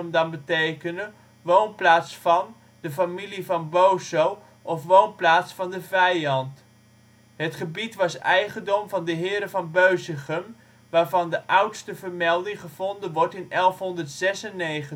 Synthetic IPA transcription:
əmdɑnbətejkənə | ʋownplaːtsfɑn | dəfamilivɑnbowsow | ʔɔfʋownplaːtsfɑndəvɛjɑnt | ɦətχəbitʋɑsɛjχəndɔmvɑndəɦɪːɾəvɑnbøɥsəχəm | ʋaːɹvɑndəʔʌwtstəvəɹmɛlˠdɪŋχəv̥ɔndənʋɔɹtɪnɛlˠfɦɔndəɹtsɛsənːejχə

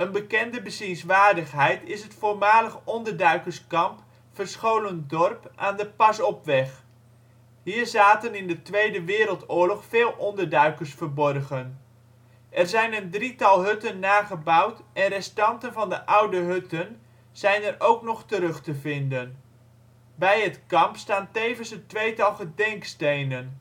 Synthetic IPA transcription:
ənbəkɛndəbəzinsʋaːɹdəχɦɛjtɪsɦətfʊːɹmaːləχɔndəɹdœɥkəskɑmp | fərsχowləndɔrpʔaːndəpɑsɔpʋɛχ | ɦiːɹzaːtənɪndətʋejdəʋɪːɾəlˠtʊːɹlɔχfeːlˠʔɔndəɹdœɥkəsfəɹbɔrχən | ʔɛrzɛjnəndritɑlˠɦɵtənːaːχəbɑwtʔɛnrɛstɑntənvɑndəʔʌwdəɦɵtən | z̥ɛjnɛrʔowknɔχtəɾɵχtəvɪndən | bɛjɦətkɑmpstaːntejvənsətʋejtɑlˠχədɛŋkstejnən

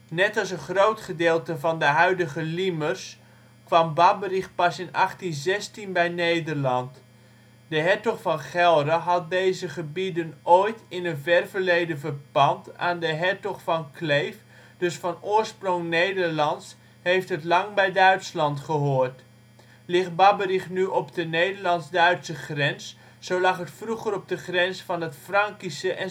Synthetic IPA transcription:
nɛtɑlˠsənχrowtχədeːlˠtəvɑndəɦœɥdəχəlimərs | kʋɑmbabəriχpɑsɪnɑχtinzɛstinbɛjnejdəɹlɑnt | dəɦɛɹtɔχfɑnχɛlˠɾəɦɑt̚dejzəχəbidənojtɪnənvɛrvəɹlejdəvərbɑnta̰ːndəɦɛɹtɔχfɑnklejf | dɵsfɑnʊːɹsprɔŋnejdəɹlɑns | hejftɦətlɑŋbɛjdœɥtslɑntχəɦoːɹt | lɪχbɑbərɪχnyʔɔpdənejdəɹlɑnzdœɥtsəχrɛns | sowlɑχɦətfruχəɾɔb̚dəχrɛnsfɑnɦətfrɑŋkisəʔɛ

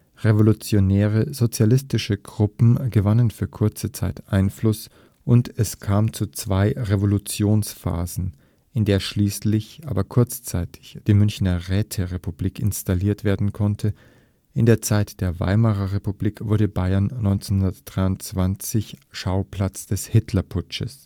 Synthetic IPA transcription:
ʁevolut͡sjonɛːʁ̞əzot͡sjalɪstɪʃəɡʁʊpm̩ɡəvanənfyːɐkʰʊɐt͡sət͡saɪtʔaɪnflʊs | ʔʊntɛskʰaːmt͡sut͡sv̥aɪʁevolut͡sjoːnsfa̰ːzn̩ | ɪndeːɐʃliːslɪçʔaːbɐkʰʊɐt͡st͡saɪtʰɪ̥çd̥iːmʏnçnɐʁɛːtʰəʁepubliːkɪ̰nstaliːɐtv̥eːɐdn̩kʰɔntʰə | ʔɪndeːɐt͡saɪtd̥eːɐva̰ɪmaʁɐʁepubliːkv̥ʊɐɾəbaɪɐnːɔʏnt͡senhʊndɐtd̥ʁaɪʊnt͡sv̥ant͡sɪçʃaʊpl̥at͡sd̥ɛshɪtʰlɐpʰʊt͡ʃəs

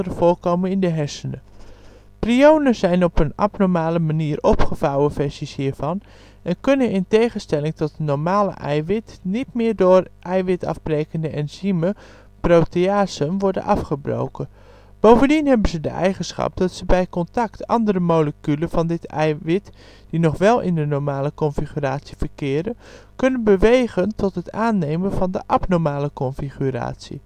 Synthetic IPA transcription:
ərəvolˠkowmənɪndəɦɛɹsənə | priownəz̥ɛjnɔpənɑ̰pnɔɹmaːləmaniːrʔɔpχəvawəvɛɹsishiːɹv̥ɑn | ɛnkɵnənɪntejχənstɛlɪŋtɔt̚ənɔɹmaːlə̰ʔɛjʋɪtnitmɪːɹdʊːrʔɛjʋɪtɑ̰vbrejkəndəʔɛnzimə | prowteaːsənʋɔɹdə̰nʔɑfχəbro̰wkən | b̥owvəndinɦɛbənzədə̰ʔɛjχənsχɑ̰p̚d̥ɑtsəbɛjkɔntɑktɑ̰ndəɾəmowləkyləv̥ɑndɪtɛ̰jʋɪt | d̥inɔχʋɛlˠɪ̰ndənɔɹmaːləkɔnfiχyraːtsi̥vəɹkɪːɾəkɵnənbəʋejχəntɔtɦətaːnːejmənvɑndə̰ʔɑpnɔɹmaːləkɔnfiχyra̰ːtsḭ

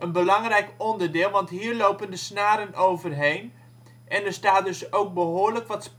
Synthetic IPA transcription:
ənbəlɑŋrɛjkɔndərdɪːlˠʋɑntɦiːrlowpəndəsnaːɾənowvərɦejn | ʔɛnərstaːt̚dɵsowk̚bəɦoːɹləkʋɑts

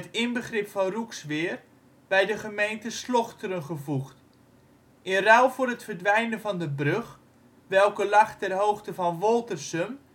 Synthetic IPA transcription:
ətɪnbəχrɪpfɑnruksʋɪːr | b̥ɛjdəχəmejntəslɔχtəɾənχəvuχt | ʔɪnrawˠfʊrətfərdʋɛjnənvɑndəbrøχ | ʋɛlˠkəlɑχtɛrɦowxtəvɔnʋɔlˠtərsəm

